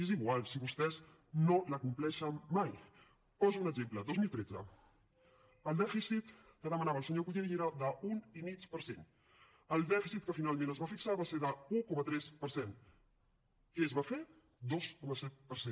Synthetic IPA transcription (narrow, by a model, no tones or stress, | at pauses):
eziɣwalˠsiβust̪ɛz | noləkumplɛʃənmaj | pɔzuːnəɡzemplədozmilˠt̪ɾed͡zə̰ | əlˠd̪ɛfisit̪ | kəðəmənaβəlˠsəɲokuʎeʒeɾad̪əunimit͡spəɾsen | əlˠd̪ɛfisit̪̚kəfinalˠmẽnəzβafiksaβaseɾðəukɔmət̪ɾɛspəɾsen | iəzβafe | d̪oskɔməsɛt̪̚pəɾsen